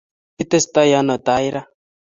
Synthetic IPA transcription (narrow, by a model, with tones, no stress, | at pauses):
i˦t̪ɛ˦st̪a˦ja˦nɔ˨t̪a˨˦i˦ɾa˦